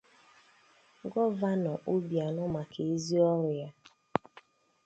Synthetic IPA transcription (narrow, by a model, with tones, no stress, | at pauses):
ɡɔ˦va˦nɔ˨ʔo˦bja˨nʊ˦ma˨kʰe˨e˦zi˦ɔ˦ɾʊ˨ja˦